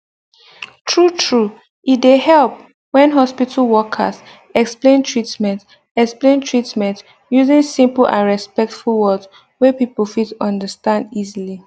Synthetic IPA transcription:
tʰɹutʰɹu | ʔit̚dehɛlp̚ | wɛ̃nɦɔspitʰəlwɔkʰə̰s | ɛksplẽntʰɹitmɛ̃nt | ɛksplẽntʰɹitmɛ̃nt | juzĩnsĩmpl̩ʔã̰nɹɛspɛk̚tfulˠwɔs | wɛpipəl̩ˠfitɔ̃ndəstãndizili

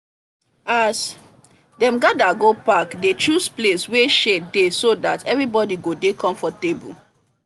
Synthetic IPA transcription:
as | dɛ̃mɡadaɡopakdet͡ʃɹusplesweʃedesodatɛvɹibɔdiɡodekɔ̃ɱfɔtebṵl

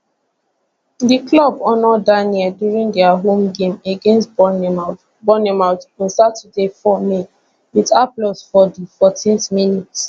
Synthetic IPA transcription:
diklɔbɔnɔdaniɛdjuɹĩŋdɛaɦõmɡẽmeɡẽnst | bɔnemaʊtɔ̃nsatədefɔme | witaplɔsfɔdifɔtʰĩnθminits

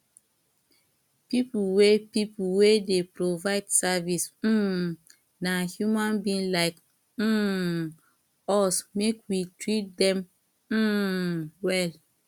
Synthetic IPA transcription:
pipuwepipuwedepɹovaɪdsavis̩ | nahjumãnbĩnlaɪk̩ | ɔsmekwitɹit̚dɛ̃m̩ | wɛl

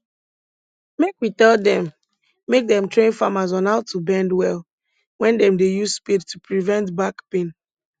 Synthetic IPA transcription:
mekwitɛlˠdɛ̃mː | ek̚dɛ̃mtʰɹẽnfamazɔ̃naʊtʰːubɛ̃ndwɛl | wɛ̃ndɛ̃mdejusspidtupɹivɛ̃ntbakpẽn

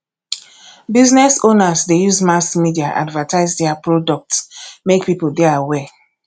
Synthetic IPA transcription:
biznɛsonazdejuzmaskmidiaʔa̰dvətʰaɪzdɛapɹɔdɔk̚tsmek̚pipodɛaawɛ

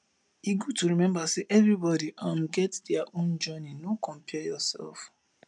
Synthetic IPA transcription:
jiɡotuɹimɛ̃mbaseʔɛvɹibɔdiʔãmɡɛtdɛaʔõnd͡ʒɔninokʰɔ̃mpʰɛjɔsɛ̰lf

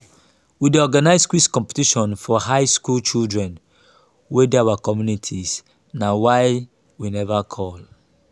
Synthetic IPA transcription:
wideɔɡanaɪskwiskɔ̃mpe̥tiʃɔ̃nfɔhaɪskult͡ʃildɹɛ̃n | wedeawakɔmjunitʰis | nawaɪ | winɛvakʰɔl

